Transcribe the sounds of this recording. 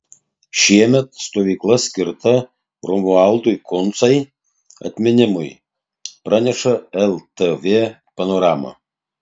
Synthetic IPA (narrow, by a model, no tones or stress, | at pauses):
ʃiɛmʲɛt̪̚st̪oʋʲiklˠɐsʲkʲɪɾt̪ɐ | romualˠd̪ujkont̪sɐj | ɐ̰t̪ʲmʲɪnʲɪmʊj | pɾɐnʲɛʂɐɛlʲˠt̪evʲe | pɐnoɾamɐ̰